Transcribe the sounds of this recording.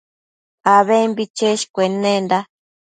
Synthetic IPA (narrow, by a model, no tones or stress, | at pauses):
aβembit͡ʃeʃkʷenẽnd̪a